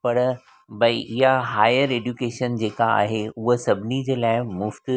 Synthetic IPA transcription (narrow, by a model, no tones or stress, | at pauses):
pɐɾ | bʱɐiʔɪɦaɦaːɪəɾeːɖjukeːʃənd͡ʑeːkaa̰ːɦeʊɦəsɐbʱnid͡ʑeːlaːɪmʊft̪